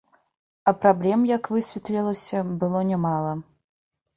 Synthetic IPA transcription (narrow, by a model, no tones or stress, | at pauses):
ɐpɾablʲɛmjakvɨsʲvʲɛt̪lʲɛlˠɐsʲɐbɨlˠɔnʲɛmalˠɐ